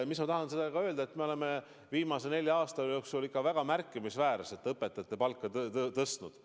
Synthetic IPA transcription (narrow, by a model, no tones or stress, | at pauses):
mismɑt̪ɑɦɑnsed̪ɑkɑøld̪ɑet̪ːmeole̞me | viːmɑsene̞lʲjɑɑːst̪ɑjo̞ksulikːɑvæɡ̥ɑmærkːˑimisvæːɾɑse̞t̪ːˑɤpːˑet̪ːˑɑt̪ːˑe̞pɑlkːˑɑt̪ɤst̪nud̪̥